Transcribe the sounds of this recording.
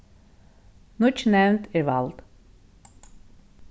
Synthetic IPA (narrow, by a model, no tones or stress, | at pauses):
nʊt͡ʃnɛwnt̪ɪʋa̰lt̪